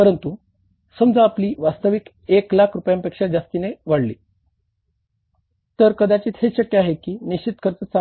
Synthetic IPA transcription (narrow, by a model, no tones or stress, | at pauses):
pəɾənt̪u | səmd͡zaːpliːʋast̪əʋik | eklakʰɾupjampekʂad͡ʑast̪ineʋaɽlḭː | t̪əɾkəd̪at͡ɕiːt̪ʰheɕəkːjeaɦekiːnit͡ɕit̪̚kʰəɾt͡sət͡sa